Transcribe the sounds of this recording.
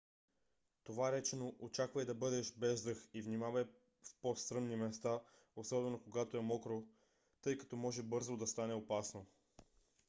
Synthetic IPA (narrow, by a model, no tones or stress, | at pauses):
t̪ovaɾɛt͡ʃɛnoʔot͡ʃakvɐɛd̪ɐbɤd̪ɛʃbɛzd̪ɤxivnimavɐ | fpost̪ɾɤnnimɛst̪a | osɔbɛbɛnokoɡat̪oɛmɔkɾo | t̪ɤjkɐ̥t̪ɔmɔʒɛbɤɾzod̪ɐst̪anɛopasno